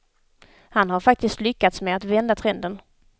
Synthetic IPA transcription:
hanhaɾfak̚t̪ɪst̪lʏkːat̪smeat̪vɛnd̪at̪ʰɾɛnd̪ən

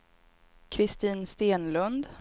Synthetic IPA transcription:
kʰɾɪst̪iːnst̪eːnlɵnd̪

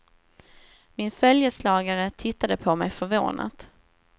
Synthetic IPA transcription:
mɪnfœljəslɑːɡaɾət̪ʰɪt̪ːad̪əpʰɔmɛjfœɾvo̰ːnʔa̰t̪

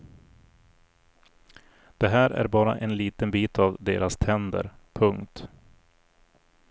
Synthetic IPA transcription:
d̪̥ɛɦæːɾʔæ̰ɾbɑːɾa̰ʔɛnliːt̪ənbiːt̪avd̪eːɾast̪ʰɛnd̪ə̰ɾ | pʰɵŋkt̪

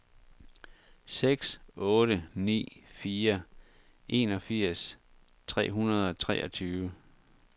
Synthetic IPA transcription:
seɡ̥sʔɔ̽ːɾ̥ənḭːfiːɐ | ʔe̝̰nɒ̽fiɐ̰s | t͡sʰʁɛ̰ːɦunɐð̞ˠɒ̽t͡sʰʁɛ̰ːʔɒt͡sʰyːʊə

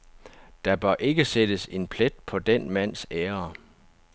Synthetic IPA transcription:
d̥ɑ̈b̥ɶɐʔe̝ɡ̥əsed̥əse̝npʰled̥̚pʰɒ̽d̥enmæn̰seːɐ

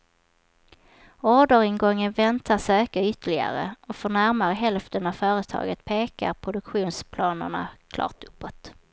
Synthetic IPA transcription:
ɔːɖəɾɪŋɡɔŋːənvɛnt̪ʰaʂøːkaʏt̪ːəɭɪɡa̰ɾə̰ʔɔfœɳæɾmaɾəɦɛlft̪ənavfœːɾət̪ʰɑ̰ːɡət̪pʰeːka̰ɾpʰɾʊd̪ɵkɧuːnspʰlɑːnə̰ɳa̰kʰlɑ̰ːʈ̪ɵpːɔt̪

